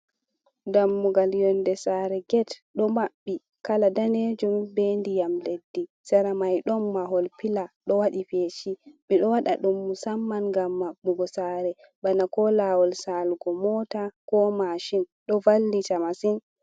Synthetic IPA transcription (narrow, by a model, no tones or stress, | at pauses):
damːuɡaljɔndɛsaːɾɛɡɛtɗɔmaɓːi | kaladaned͡ʒumbendijamledːi | sɛɾamajɗɔmːaɦɔlpilaɗɔwaɗipeːt͡ʃimiɗɔwaɗa̰ɗumːusamːanɡamːaɓuɡɔsaɾɛ | banakɔlawɔlsalɡɔmɔtakɔmaʃinɗɔvalːitamasin